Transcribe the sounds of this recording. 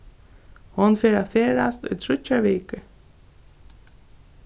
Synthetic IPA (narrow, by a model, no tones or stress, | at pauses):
hɔnfeːɾafeːɾast̪ʊ̰jt̪ʰɾʏt͡ʃaʋiːkə